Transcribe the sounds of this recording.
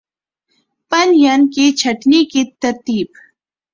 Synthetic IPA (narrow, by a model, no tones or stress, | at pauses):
pɐnjankit͡ʃʰɐʈnikit̪ɐɾt̪iːb